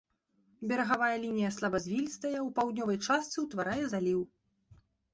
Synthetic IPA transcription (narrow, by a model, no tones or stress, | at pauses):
bʲɛɾɐɣavajɐlʲinʲijɐslˠabɐzʲvʲilʲst̪ɐjɛwpawd̪ʲnʲɔvɐjt͡ʂast̪sɨwt̪vaɾajɛzalʲiw